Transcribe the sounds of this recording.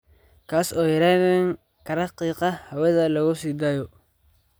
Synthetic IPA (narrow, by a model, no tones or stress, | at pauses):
kʰaːsɔːjɐɾaːðɛŋ | kʰɐɾɐqiːqɑhɐwɐðɐlɐɣʊsiːd̪aːjɔ